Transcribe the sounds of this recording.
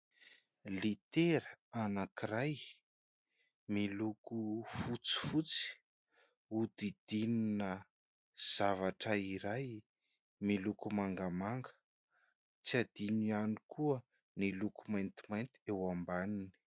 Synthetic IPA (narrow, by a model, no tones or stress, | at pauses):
lit̪eɾəanakiɾaj | milukufut͡si̥fut͡si̥ | ud̪id̪̥ininə | z̥avaʈ͡ʂəiɾaj | milukumaŋɡamaŋɡə̥ | t͡siad̪̥inianikʰuə | nilukumajnt̪imajnt̪i̥ewambanini̥